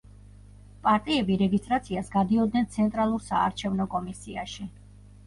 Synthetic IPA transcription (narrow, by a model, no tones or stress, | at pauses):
pʼaɾt̪ʼiɛbiɾɛɡist̪ʼɾat̪sʰiasɡad̪iɔd̪̚nɛnt̪sʰɛnt̪ʼɾalˠuɾsa̰ːɾt͡ʃʰɛvnɔkʼɔmisia̰ʃi